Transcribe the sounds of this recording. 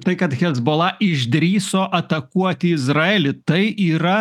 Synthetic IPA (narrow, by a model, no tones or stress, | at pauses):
t̪ɐɪkɐt̪xʲɛzboːlˠɐʔɪʒʲd̪ʲɾʲiːsoːʔɐt̪ɐkuɔt̪ʲɪɪzɾɐeːlʲɪt̪ɐɪʔiːɾɐ